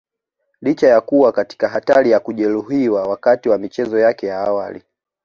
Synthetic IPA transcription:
lit͡ʃajakuwakati̥kaɦataɾijakuʄɛluɦiwawakatiwamit͡ʃɛzɔjakɛjaawali

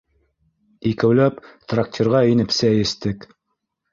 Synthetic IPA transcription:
ikɘ̆wlæpt̪rak̚tʲʰerʁɑinɘ̆psɘæjɘ̆st̪ɘk

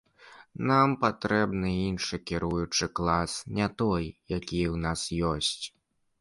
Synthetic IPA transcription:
nampat̪ɾɛbnɨinʂɨkʲiɾujut͡ʂɨklˠasnʲat̪ɔjjakʲijwnasjɔsʲt͡sʲ

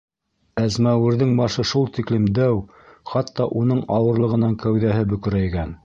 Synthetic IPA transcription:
æzmæwɘ̆ɾðɘŋbɑʃɤʃulˠt̪iklɘmd̪æw | χɑt̪ːɑʔunɤɴɑwɤ̆ɾlˠɤ̆ʁɤ̆nɑŋkæwðæɦɘbɵ̆kɵ̆ɾæjɡæn

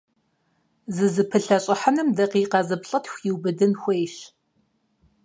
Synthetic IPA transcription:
zɨzɨpʰɨɬɐɕʼɪħɐnɨmdɐqiːqɐzɨpɬʼɐtʰxʷjiwbɨdɨnxʷejʃ

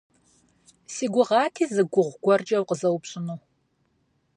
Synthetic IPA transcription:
siːɡʷʊʁɑːtʰiːzɨɡʷʊʁʷɡʷɔrd͡ʒʼɐwqəzɐwpɕʼɨnuː

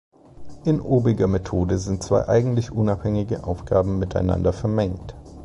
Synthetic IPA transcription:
ʔɪnʔoːbɪɡɐmetʰoːdəzɪnt̚t͡sv̥a̰ɪʔa̰ɪɡŋ̩tlɪçʔʊnaphɛŋɪɡəʔaʊfɡ̥aːbm̩mɪtaɪna̰ndɐfɛɐmɛŋkt

